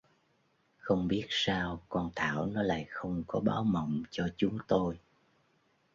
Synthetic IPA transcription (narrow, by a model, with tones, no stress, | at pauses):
xə˧wŋ͡mɓi˦˥ət̚saː˧wkɔ˧nt̪ʰaː˧˩wnɔ˨˦la̰ː˧˨jxə˧wŋ͡mkɔ˨˦ɓaː˨˦wmə̰˧˨wŋ͡mt͡ɕɔ˧t͡ɕʊ˨˦ŋ͡mt̪o˧j